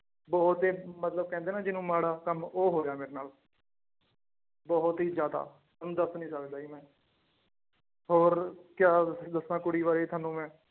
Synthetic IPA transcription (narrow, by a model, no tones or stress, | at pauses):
bɔːt̪eːmət̪ləb̚kɛ̃ːnd̪eːnãːd͡ʒɪnũːmaːɽaːkəmoːɦoːjaːmeːɾeːnaːl | bɔːt̪ɦiːzjaːd̪a̰ː | kəmd̪əsnĩːsaːd͡ʒaːiːmɛ̃ː | ɦoːɾkjaːd̪əsnãːkʊɽiːʋaːɾeːt̪ʰʊaːnːũːmɛ̃ː